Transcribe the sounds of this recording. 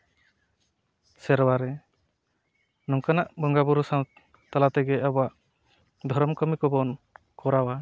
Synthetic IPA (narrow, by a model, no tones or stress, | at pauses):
sɛɾwaɾɛ | nɔŋkanaʔbɔŋɡabuɾusaw | t̪alat̪ɛɡɛʔabɔaʔ | d̪ʱɔɾɔmkɔmikɔbɔn | kɔɾawa